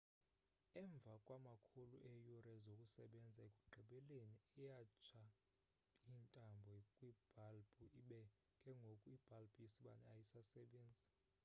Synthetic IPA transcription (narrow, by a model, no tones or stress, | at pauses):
ɛɱb̪vʱakʼwamakʰoluʔɛjurɛzokʼusɛɓɛnd͡zʱaekʼuɡ͡ǃʱɛɓɛleniɛjat͡ʃʰa | iːntʼambʱɔkʼwib̥ʱalbʼuiɓɛ | kʼɛŋɡʱokʼuib̥ʱalbʰʼisiɓa̰nɛajisasɛɓeːnd͡zʱi